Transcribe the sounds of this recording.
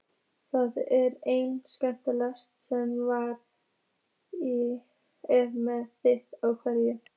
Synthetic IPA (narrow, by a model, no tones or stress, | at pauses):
θaðɛɾejnskœn̥t̪ɪlast̪sɛmvaɾ | i | ɛvmɛðθɪht̪awkʰvɛɾjɪ